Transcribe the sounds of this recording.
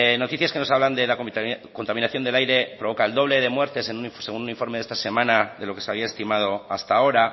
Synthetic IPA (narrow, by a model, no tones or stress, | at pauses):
no̞t̪iθjaske̞no̞saβland̪e̞lako̞nt̪aminaθjo̞nd̪e̞lajɾe̞pɾo̞βo̞kaeld̪o̞β̞le̞ðe̞mwe̞ɾt̪e̞se̞nunse̞ɣununiɱfo̞ɾme̞ð̞est̪ase̞mãnaðe̞lo̞ke̞seaβiae̞st̪imað̞o̞ast̪ao̞ɾa